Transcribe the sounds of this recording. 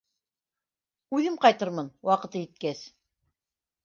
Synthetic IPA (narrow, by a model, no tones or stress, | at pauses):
ʉðɘmqɑjt̪ɤɾmɤnwɑqɤ̆t̪ɤjɘ̆t̪̚kæs